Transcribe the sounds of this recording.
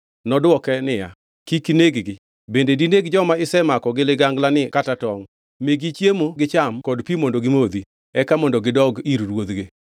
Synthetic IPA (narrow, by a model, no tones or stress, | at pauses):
nɔdwɔkɛnɪja̰ | kikineɡɡɪ | bendedineɡd͡ʒɔmaɪsɛmakɔɡɪlɪɡaŋɡlanɪkatatɔŋ | meɡit͡ʃjemoɡɪt͡ʃamkɔdpimondoɡɪmod̪i | ɛkamɔndɔɡɪdɔɡiɾɾwod̪ɡe